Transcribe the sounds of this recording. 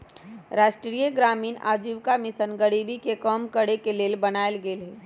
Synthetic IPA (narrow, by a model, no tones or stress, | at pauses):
ɾaːʃʈɾiːjəɡɾaːmiːna̰ːd͡ʒiːʋkamɪsənɡəɽiːbʱikekɔːmkəɽekeleːlbənaːelɡeːlɦɛː